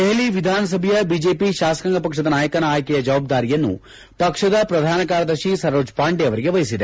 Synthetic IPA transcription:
d̪eɦeliʋid̪ʱaːnɐs̬ɐbʱjɐbid͡ʒe̞ːpiʃaːsɐ̥kɐŋɡɐpɐkʂɐd̪ɐnaːjɐkɐnaːjɐkɛjɐd͡ʒɐʋaːb̚d̪aːɾijɐnːṵ | pɐkʂɐd̪ɐpɾɐd̪ʱaːnɐkaːɾɐd̪ɐɾʃisɐɾoːd͡ʒpaːɳɖeɐʋɐɾiɡe̞ʋɐjisid̪e

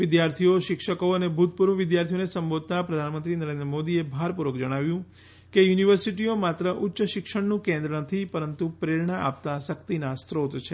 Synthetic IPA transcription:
ʋɪd̪jaɾt̪ʰijoʃɪkʃəkoənebʱut̪̚puɾʋəʋɪd̪jaɾt̪ʰionesə̃mbod̪̚ʱt̪apɾəd̪ʱanmə̃nt̪ɾinəɾẽnd̪ɾəmod̪iebʱaɾpuɾʋəkd͡ʒəɽ̃aʋjũ | kejuniʋəɾsiʈiomat̪ɾəʔʊtːʃəʃɪkʃəɳnũkẽnd̪ɾənət̪ʰipəɾənt̪upɾeɭɳaʔa̰p̚t̪asəkt̪inast̪ɾot̪t͡ʃʰe

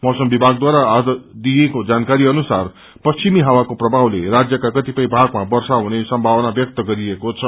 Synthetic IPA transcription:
mʌsʌmbibʱaɡd̪waɾaad̪d̪ijekod͡zankaɾiʌnusar | pʌst͡ʃimiɦawakoprʌbʱawlerad͡zjʌkakʌt̪ipʌjbʱaɡmabʌrsaɦunesʌmbʱawʌnabjʌk̚t̪ʌɡʌɾiekot͡sʰʌ

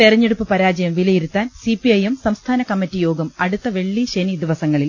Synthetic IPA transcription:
t̪erɐɲːeɽupːɨpɐɾaːd͡ʑɐjɐmʋilɐjiɾut̪ːaːnsipiɐjemsɐmst̪ʰaːnɐkɐmːitːijo̞ːɡɐmɐɽut̪ːɐʋe̞ɭːiɕenid̪iʋɐsɐŋːɐɭil

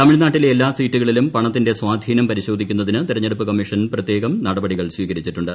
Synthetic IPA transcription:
t̪ɐmiɻnaːʈːilelːaːsiːtːuɣɐɭilumpɐɳɐt̪ːinde̞swaːd̪ʱiːnɐmpɐɾiɕo̞ːd̪ʱikʲːunːɐðinɨt̪iɾɐɲːeɽupːɨkɐmːiʂɐnprɐt̪je̞ːɣɐmnɐɽɐbɐɽiɣɐɭsʋiːɣɐɾit͡ɕːiʈːuɳɖɨ

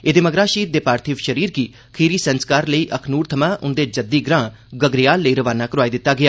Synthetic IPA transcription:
ed̪eːməɡɾaːʃiːt̪d̪eːpaːɾt̪ʰiːʋʃəɾiːɾɡiː | kʰiːɾiːsənskaːɾləiːʔəkʰnuːɾt̪ʰəmãːʔʊnd̪eːd͡ʒəd̪iːɡɾãː | ɡəɡɾɪjaːlːəiːɾəʋaːnaːkəɾʊaːiːd̪ɪt̪ːaːɡɪaː

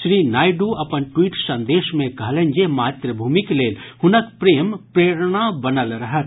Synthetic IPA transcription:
ʃɾiːnaːjɖuɐpənʈwiːʈsə̃nd̪eːʃmẽkɐɦlẽnd͡ʒemaːt̪ɾəbʱuːmikleːlɦʊnəkpɾeːmpɾeːɾɽ̃abənəlɾɐɦət̪

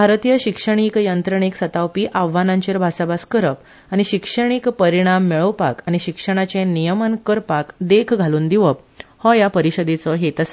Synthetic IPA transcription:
bʱaɾt̪ijəɕikʂəɳ̃iːkjənt̪ɾəɳ̃iksət̪awpiːʔaʋːanaɲt͡ɕeɾbʱasabaskəɾəp̚ | añiɕikʂəɳ̃iːkpəɾiɽ̃amːeɭəwpa̰kañiɕikʂəɽ̃at͡sẽnijəmənkəɾpakd̪ekʰɡʱaluːnd̪iʋəp̚ | hɔjapəɾiɕəd̪et͡sɔɦet̪əs

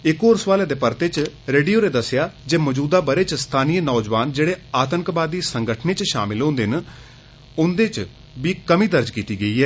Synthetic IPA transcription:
ɪkoːɾsʋaːleːd̪eːpəɾt̪eːt͡ʃɾeːɖijoːɾeːd̪əsɪjaːd͡ʒeːmɔːd͡ʒuːd̪aːbəɾeːt͡ʃst̪ʰaːnijenɔːd͡ʒʋaːnd͡ʒeːɽeːaːt̪əŋkbaːd̪iːsəŋɡəʈʰneːt͡ʃʃa̰ːmɪlɦõːnd̪en | ʊnd̪eːt͡ʃ | ʋiːkəmiːd̪əɾd͡ʒkiːt̪iːɡəiːɦɛː

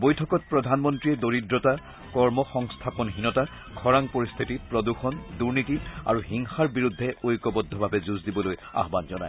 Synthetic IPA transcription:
bojtʰɔkɔt̚pɹɔdʱanmɔntɹiɛdoɹidɹɔta | kɔɹmɔxɔŋst̪ʰapɔnɦinɔta | kʰɔɹaŋpoɹist̪ʰitipɹɔduxɔnduɹnitia̰ɹuhiŋxaɹbiɹud̪ʱːɛojkɔbɔd̪ʱːɔbʱabɛzuzdibɔloja̰ɦbanzɔna̰j

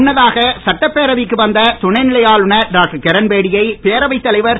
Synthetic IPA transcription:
nːɐðaːɣɐsɐʈːɐpːeːɾɐʋikːɯʋɐnd̪ɐt̪ʊɳɐɪnɪlɐjaːlɯɳɐɖaːkkɛɾɐnbeːɽɪjɐɪpeːɾɐʋɐɪt̪ːɐlɐɪʋɐɾ

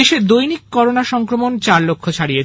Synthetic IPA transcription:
eʃed̪ojnikːɔɾonaʃɔŋkɾomont͡ɕaɾlokʰːot͡ɕʰaɽijet͡ɕʰ

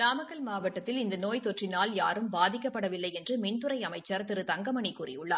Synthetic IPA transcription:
ɾaːmɐɣɐlmaːʋɐʈːɐt̪ːɪlɪnd̪ɐnoːjt̪ɔʈrɪnaːlja̰ːɾɯmbaːðɪkːɐpːɐɽɐʋɪlːɐɪɛndrɯmɪɳt̪ɯɾɐɪɐmɐɪt͡ʃːɐɾt̪ɪɾɯt̪ɐŋɡɐmɐɳikːuːrɪ̰ʊɭːaː

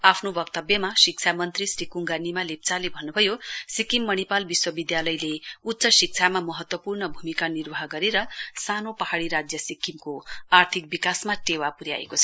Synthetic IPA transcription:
apʰnobʌkt̪ʌbjʌmasik̚t͡sʰamʌnt̪risrikuŋɡanimalep̚t͡salebʱʌnːubʱʌjosikimːʌnipalbiswʌbid̪jalʌjleutːsʌsik̚t͡sʰamamʌɦʌt̪wʌpurnʌbʱumikanirbʌɦʌɡʌɾeɾʌsanopʌɦaɽiɾad͡zjʌsikːimkoart̪ʰik̚bikasmaʈewapuɾja̰ḛkot͡sʰʌ

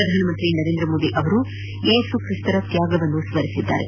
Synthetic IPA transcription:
ɾɐd̪ʱaːnɐmɐnt̪ɾinɐɾe̞ːnd̪ɾɐmoːd̪iʔɐʋɐɾu | eːsukɾist̪ɐɾɐt̪jaːɡɐʋɐnːusʋɐɾisid̪ːa̰ːɾe

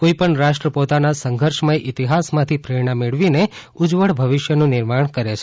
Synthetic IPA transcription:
koipəɳɾaʃʈɾəpot̪anasəŋɡʱəɾʃmajʔɪt̪iɦasmãt̪ʰipɾeɽ̃ãmeɭʋine | ʊd͡ʒʋəɽbʱəʋɪʃjənũnɪɾmaɳkəɾet͡ʃʰe

